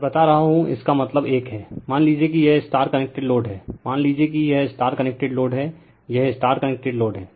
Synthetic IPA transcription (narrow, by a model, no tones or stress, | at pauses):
bɐt̪aɾɐɦaɦũɪ̰skamɐt̪ləbeːkɦɛːmaːnliːd͡ʒiek̬ijɛɦsʈaːɾkɐnek̚ʈeɖloːɖɦɛːmaːnliːd͡ʒiek̬ijɛɦsʈaːɾkɐnek̚ʈeɖloːɖɦɛː | jɛɦɪsʈaːɾʈkɐnek̚ʈeɖloːɖɦɛː